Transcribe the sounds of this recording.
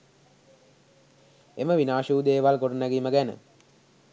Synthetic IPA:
eməʋinaːʃuːd̪eːʋalkoʈənæɡiːməɡænə̰

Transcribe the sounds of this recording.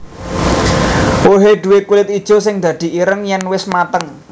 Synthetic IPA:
woɦed̪̥ṳwekulɪt̪̚id̥ʒ̥o̤sɪŋd̪̥ä̤d̪̥i̤ʔiɾəŋjɛnwɪsmat̪əŋ

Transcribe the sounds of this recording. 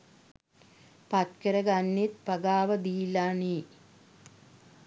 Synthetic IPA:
pat̪kəɾəɡanːit̪̚pɐɡaːʋɐd̪iːlani

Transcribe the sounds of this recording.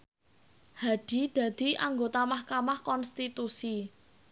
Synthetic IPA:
haɖ̪̥i̤d̪̥a̤d̪̥i̤ʔaŋɡot̪amahkamahkɔnst̪it̪usi

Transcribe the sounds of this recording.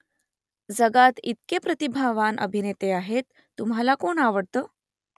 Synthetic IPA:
d͡zəɡat̪it̪̚kepɾət̪ibʱaʋanʔə̰bʱinet̪eaɦet̪ːumɦalakoɳaʋəɽt̪əː

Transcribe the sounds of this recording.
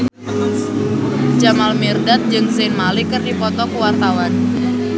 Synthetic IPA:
d͡ʒamalmirdat̪̚d͡ʒɨŋsenmalikɨrdipɔt̪ɔkəwart̪awan

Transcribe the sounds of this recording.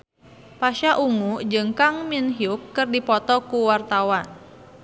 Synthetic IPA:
paʃaʔuŋud͡ʒɨŋkaŋminɦiukːɨrdipɔt̪ɔkuwart̪awan

